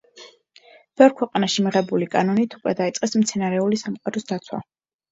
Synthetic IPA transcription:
b̥ɛɔɾkʰwɛqʼanaʃimiʁɛbulikʼanɔnit̪ʰukʼwɛd̪ait̪sʼqʼɛsmt̪sʰɛnaɾɛulisamqʼaɾɔsd̪at̪sʰwa̰

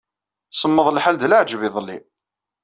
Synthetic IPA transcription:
səmːəðˤlħald̪ləʕd͡ʒviðˤəlːḭ

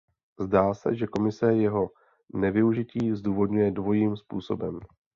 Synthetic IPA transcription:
zdaːsɛ̰ʒɛko̞mɪsɛjɛɦo̞ | nɛvɪuʒɪciːzduːvo̞dɲujɛdvo̞jiːmspṵːso̞̰bɛm

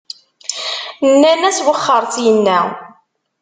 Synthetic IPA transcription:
nːænæswəχːəɾˤθjənːæ

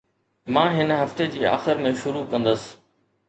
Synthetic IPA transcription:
mãːɦɪnɦɐft̪ed͡ʑiːa̰ːxɪɾmẽʃʊɾukɐ̃nd̪əsɪ̥̆

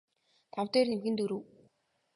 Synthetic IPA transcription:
t̪ʰawt̪eːrnimɣɘ̆nt̪uɾuː

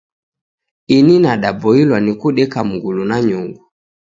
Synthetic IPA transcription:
ininaɗabɔilwanikuɗɛkam̩ɡulunaɲuŋɡu

